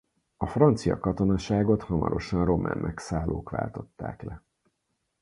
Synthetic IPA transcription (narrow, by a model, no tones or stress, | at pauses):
ɒfrɒnt̪sijɒ̰kɒt̪o̞nɒʃaːɡo̞t̪hɒmɒ̰ɾo̞ʃɒnro̞mɛ̰mʔɛksaːlːoːkʋa̰ːlt̪o̞t̪ːaːklɛ